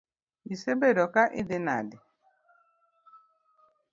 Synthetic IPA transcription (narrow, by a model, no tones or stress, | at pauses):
isebedɔkaʔɪdɪna̰dɪ